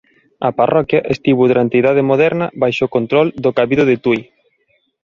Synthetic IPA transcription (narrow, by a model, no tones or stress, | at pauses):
ɐparʔɔkjɐʔest̪iβuðɾant̪iðaðemoðɛɾnɐβajʃokont̪ɾɔld̪okaβiðoðet̪uj